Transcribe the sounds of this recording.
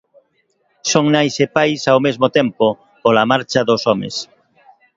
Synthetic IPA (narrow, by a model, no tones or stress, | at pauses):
soŋnajsepajsawmezmot̪ɛmpo | polamaɾt͡ʃaðosɔmḛs